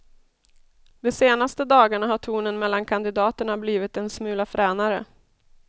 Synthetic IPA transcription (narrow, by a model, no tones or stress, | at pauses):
d̪ɛseːnast̪əd̪ɑːɡaɳaɦaʈʰuːnənmɛlːankʰand̪ɪd̪ɑːt̪əɳabliːvɪt̪̚ɛnsmʉ̟ːlafɾɛːnaɾə̰